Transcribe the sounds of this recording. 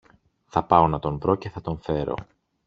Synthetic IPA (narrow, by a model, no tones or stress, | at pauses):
θɐpɐo̞nɐt̪o̞ɱvɾo̞ce̞θɐt̪o̞nfe̞ɾo̰